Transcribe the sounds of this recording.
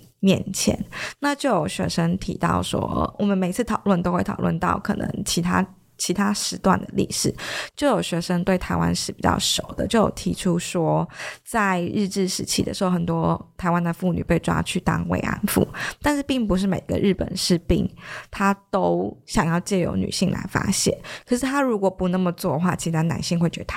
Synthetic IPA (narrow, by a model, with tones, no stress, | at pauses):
mjɛ̰˥˩nt͡ɕʰjɛ̰˧˥˦nna˥˧t͡ɕjo˥˩ʊjo˨˩ʊɕɥɛ̰˧˥ʂə˥ŋt̪ʰḭ˧˥t̪ɑ̰˥˩ʊʂwɔ̰˥wʔɔ˨˩mə˦nme˨˩ɪt͡sʰɹ̩˥˩t̪ʰɑ˨˩ʊlwə˥˩nt̪o˥ʊxwe˥˩t̪ʰɑ˨˩ʊwə̰˥˧nt̪ɑ̰˥˩ʊkʰɤ̰˨˩nə̰˧˥ŋt͡ɕʰi˧˥t̪ʰa˥ | t͡ɕʰi˧˥t̪ʰa˥ʂɻ̩˧˥t̪wa̰˥˩nd̪ə˩lḭ˥˩ʂɻ̩˨˩˦t͡ɕjo˥˩ʊjo˨˩ʊɕɥɛ˧˥ʂə˥ŋt̪we˥˩ɪt̪ʰa˧˥ɪwa̰˦˥nʂɻ̩˥˩pi˨˩t͡ɕɑ̰˥˩ʂo˨˩ʊd̪ə̰˦t͡ɕjo˥˩ʊjo̰˨˩t̪ʰi˧˥ʈ͡ʂʰu˥ʂwɔ˥t͡sa˥˧ɪɻ̩˥˧ʈ͡ʂɻ̩˥˩ʂɻ̩˧˥t͡ɕʰi˥˩d̪ə̰˨ʂ̩˧˥o˥˩xə˨˩nt̪wɔ˥t̪ʰa˧˥ɪwa˦nd̪ə˨fu˥˩ny̰˨˩pe˥˩ɪʈ͡ʂwa̰˥t͡ɕʰy˥˩t̪ɑ̰˥ŋwḛ˥˩ɪʔa̰˧˥nfṵ˥˩t̪a˥˧nʂɻ̩˥˧pi˥˩ŋpu˧˥ʂ̬ɻ̩˥˩me˨˩ɪ˧˥ɡə̰˧ɻɻ̩˥˩pə̰˨˩nʂɻ̩˥˧pi˥˩ŋt̪ʰa˥t̪o˥ʊɕjɑ˨˩ŋjɑ˥˧ʊt͡ɕjɛ˥˩jo̰˧˥ʊny̰˨˩ɕi˥˩ŋla̰˧˥ɪfa̰˥ɕjɛ̰˥˩nkʰə˨˩ʂ̬ɻ̩˥˩t̪ʰa˥ɻu˧˥kwɔ˨˩pu˧˥nə˥˩mə˩t͡swɔ˥˧xwa˥˩t͡ɕʰi˧˥t̪ʰa˧˥nna̰˧˥nɕi˥˧ŋxwe˥˩ɪt͡ɕɥɛ̰˧˥d̪ə˧˩